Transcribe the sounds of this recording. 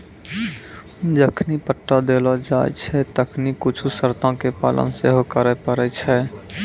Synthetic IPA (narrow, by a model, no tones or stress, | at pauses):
d͡ʒəkʰnipəʈːad̪eːlad͡ʒaːj̰t͡ʃʰɛt̪əkʰnikʊt͡ʃʰusəɾt̪ãkepaːlə̰nseɦokəɾəpəɾət͡ʃʰɛ